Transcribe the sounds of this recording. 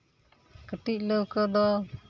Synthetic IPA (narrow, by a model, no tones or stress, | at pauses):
kəʈic̚ləwkəd̪ɔ